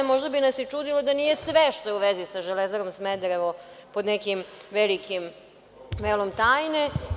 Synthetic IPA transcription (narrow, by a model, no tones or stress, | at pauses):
mo̞ʒd̪abinasjɛt͡ʂuːd̪ilod̪aniːje̞sʋeʃt̪ojɛuʋezisaʒelezaɾomsmed̪ɾeʋopo̞d̪nekimʋelikʰim | ʋeːlˠomt̪aːjne